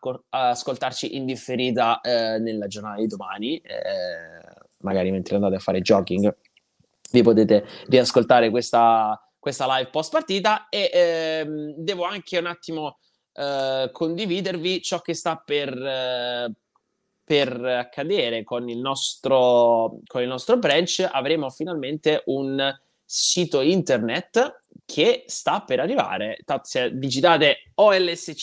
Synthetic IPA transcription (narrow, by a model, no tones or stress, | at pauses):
oaskolt̪art͡ʃiʔind̪ifːeɾiːt̪anelːad͡ʒornaːt̪ad̪id̪omaːniɛ | maɡaːɾiment̪ɾeand̪at̪eafːa̰ːɾed͡ʒɔːkiŋɡ | vipot̪eːt̪eriaskolt̪aːɾekwest̪a | kwest̪alajvpɔst̪̚part̪iːt̪aeʔmd̪ɛːvoaŋkʰeunat̪ːimo | kʰond̪iviːd̪ervit͡ʃɔk̟ːest̪apːer | perakʰːad̪eːɾekonilnɔst̪ɾokonilnɔst̪ɾobɾɛnt͡ʃa̰vɾeːmofinalment̪eʔun | siːt̪oint̪ernet̪ː | kʰest̪apːeɾarːiva̰ːɾet̪at̪sed̪id͡ʒit̪aːt̪eɔɛlːɛse